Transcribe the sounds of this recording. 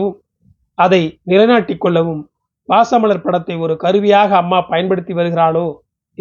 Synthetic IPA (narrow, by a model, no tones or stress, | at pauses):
ɯm | ɐðɐɪnɪlɐɪnaːʈːɪkːɔɭːɐʋɯm | paːsɐmɐɭɐɾpɐɽɐt̪ːɐɪɔɾɯkɐɾɯʋɪjaːɣɐːmːaːpɐjɐnpɐɽɯt̪ːiʋɐɾɯɣɪɾaːɭoː